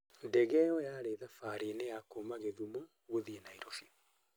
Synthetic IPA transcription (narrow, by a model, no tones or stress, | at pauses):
ndɛɣɛɔjaːɾeðafaːɾinejakoːmaɣeðumo | ɣoðienaiɾofi